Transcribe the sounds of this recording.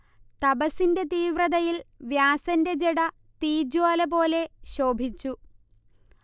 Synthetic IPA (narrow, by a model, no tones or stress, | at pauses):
t̪ɐbɐsinde̞t̪iːʋrɐðɐjilʋjaːsɐnde̞d͡ʑeɽɐ | t̪iːd͡ʑaːlɐpo̞ːle̞ɕo̞ːbʱit͡ɕːu